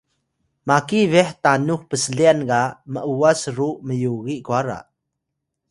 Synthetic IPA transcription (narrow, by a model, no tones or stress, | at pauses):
makivɛħtanuxpəsəɮiankaməʔuasruʔməjuɣiʔkuaɾa̰ʔ